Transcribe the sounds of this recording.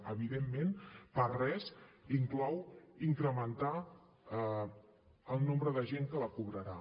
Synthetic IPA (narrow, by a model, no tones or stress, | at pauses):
əβiðemːenpərɛsiŋklɔwiŋkɾəmənt̪a | əlˠnõmbɾəðəʒeŋkələkuβɾəɾa